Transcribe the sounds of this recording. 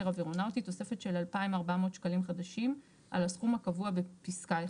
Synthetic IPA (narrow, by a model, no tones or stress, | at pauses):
eʁaviʁonawtit̪ːo̞se̞fe̞t̪ʃe̞lalpaimaʁbamo̞ːt̪ʃkalimχad̪aʃim | ʔa̰laskumhakavuabe̞piskae